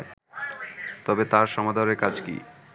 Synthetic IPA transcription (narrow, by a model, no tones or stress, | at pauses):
e | t̪ɔbet̪aɾʃɔmad̪ʱoɾeɾkad͡ʑkḭ